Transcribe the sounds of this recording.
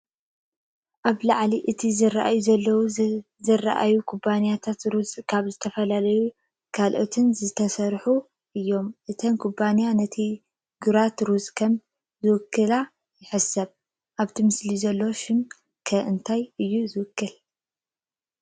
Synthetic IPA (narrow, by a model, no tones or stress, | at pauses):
ʔaβlaʕliʔɨt̪ʰizɨraʔa̰juzɐlːɐw | zɨrːa̰ʔa̰jukʰubanijat̪ʰat̪ɾuzʼkʰaβzɨt̪ʰɐfɐlalɐju | kʰalʔot̪ʰɨnzɨt̪ʰɐsɐɾħu | ʔɨjːo̞mʔɨt̪ʰɐmkʰubanijanɐt̪ʰi | ɡuɾat̪ɾusʼkʰɐm | zɨwɨkʰːɨla | jɪħɨsɐβ | ʔaβt̪ʰimɨslizɐlːo̞ʃɪm | kʰɐʔɨnt̪ʰajɨjːuzɨwʊkʰːɨl